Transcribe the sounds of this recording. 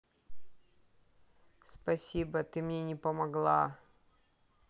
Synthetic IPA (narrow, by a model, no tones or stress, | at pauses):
spɐsʲibət̪ɨmnʲenʲɪpəmɐɡlˠa